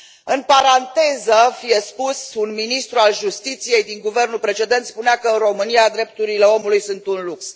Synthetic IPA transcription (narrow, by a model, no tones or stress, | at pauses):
ɨnpaɾant̪e̞zəfije̞spusunminist̪ɾualʒust̪it̪sije̞jd̪iŋɡuve̞rnulpɾe̞t͡ʃe̞d̪e̞nt̪spuneakəɾo̞mɨnijad̪ɾe̞p̚t̪uɾile̞o̞mulujsunt̪unluks